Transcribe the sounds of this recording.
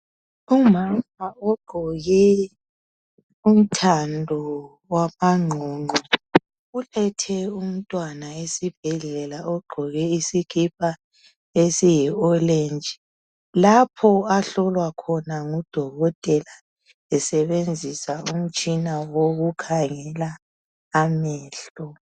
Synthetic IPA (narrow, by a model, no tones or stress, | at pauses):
umamaɔɡ͡ǃʱɔɣɛ | um̩tʰandʱɔ | wamaŋ͡ǃʱɔŋ͡ǃʱɔ | ulɛtʰɛum̩tʼwanaesib̥ʱɛɮɛlaɔɡ͡ǃʱɔɣɛisikʰip̚ʰʼa | esijɛɔlend͡ʒʱi | lapʰɔaɬɔlwakʰɔnaŋud̥ʱɔɣɔtʼɛla | ɛsɛβend͡zʱisaum̩t͡ʃʼinawoɣukʰaŋɛlaː | mɛːɬɔ